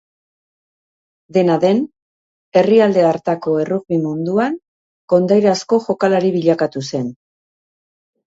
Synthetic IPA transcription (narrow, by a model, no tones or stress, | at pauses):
d̪e̞naðe̞n | e̞riald̪e̞aɾt̪ako̞e̞ruɣβimund̪uaŋ | ko̞nd̪ajɾasko̞xo̞kalaɾiβiʎakat̪use̞n